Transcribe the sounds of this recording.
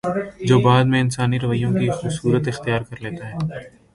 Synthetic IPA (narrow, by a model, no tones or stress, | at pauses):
d͡ʒoːbaːd̪mẽɪnsaːniɾɐʋəijõkixʊːbsuːɾət̪ɪxt̪ijaːɾkɐɾleːt̪aɦɛː